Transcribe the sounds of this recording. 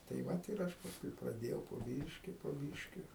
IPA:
tɐɪ ˈʋɐt ɪr ˈɐʃ pɐsˈkʊɪ prɐˈdʲeːjɛʊ poː ˈbʲiːʃʲkʲɪ poː ˈbʲiːʃʲkʲɪ

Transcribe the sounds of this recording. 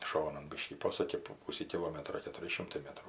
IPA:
ˈʃoːnɐn ˈbʲɪʃʲkʲiː ˈpoːsʊkʲɪ poː ˈpuːsʲiː kʲɪˈlˠoːmʲɛtroː kʲɛtʊˈrʲɪ ˈʃʲɪmtɐɪ ˈmʲæːtruː

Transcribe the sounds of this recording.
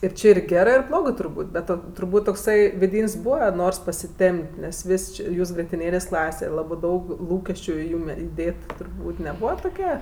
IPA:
ɪr ˈt͡ʃʲɪ ɪr ˈɡʲæːrɜ ɪr ˈblˠoːɡɜ tʊrˈbuːtʲ bʲɛt ˈoː tʊrˈbuːtʲ toːkˈsɐɪ ʋʲɪˈdʲiːnʲzʲˈbuːʋɐ ˈnoːrs pɐsʲɪˈtʲɛmʲpʲtʲ nʲɛs ˈʋʲɪsʲ t͡ʃʲɪ ˈjuːs ɡrʲiɛtʲɪˈnʲeːlʲeːsʲ ˈklˠɑːsʲɛ ˈlˠɑːbɜ ˈdɐʊk ˈlˠuːkʲɛsʲt͡ʃʲʊ ɪ ˈjuːm ɪˈdʲeːt tʊrˈbuːtʲ nʲɛˈbuːʋɐ tʊˈkʲɛ

